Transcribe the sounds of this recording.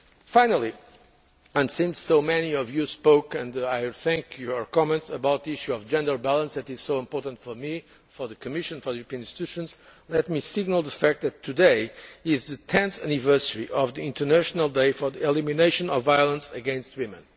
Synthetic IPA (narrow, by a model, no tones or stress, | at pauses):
fãɪ̃nəlˠi | ə̃nsɪ̃nsːoʊmɛniɔvjuspoʊkɨ̃ndaɪθæ̃ŋkʰjuə˞kɑmɛ̃ntsəbaʊt̪̚ðiiʃuɔvd͡ʒɛ̃ndə˞bælˠə̃nsðætɨz̥soʊɪ̃mpɔɹtə̃ntfɔ˞mi | fɔ˞ðɨkʰɨmɪʃɨ̃nfɔ˞ðɨjuɹəpĩñĩnstit̪ʰʉʃə̃nzlɛt̚misɪɡ̚nəlˠðəfæk̚t̪̚ðɨtʰːɨdeɪɪzðɨtʰɛ̃nθænɪvɜ˞səɹiʔɔvðiɪ̃ntə˞næʃnəlˠdeɪfɔ˞ðiɛlˠimineɪʃɨ̃nɔvajəlˠə̃nsɨɡɛ̃nst̚wɪ̃mɨ̰̃n